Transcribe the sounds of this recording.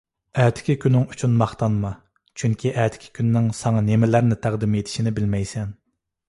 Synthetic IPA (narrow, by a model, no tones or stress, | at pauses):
ɛːt̪ʰɪ̥kʲikʲʰynɪŋyt͡ʃʰynmɑχt̪ɑnmɑ | t͡ʃʰyŋkʲʰiʔɛːt̪ʰɪ̥kʲʰi̥kʲʰynːɪŋsɑŋɑnemɪlæɾnɪt̪ʰæʁd̪ɪmet̪ʰɪ̥ʃinɪbɪlmɛjsɛn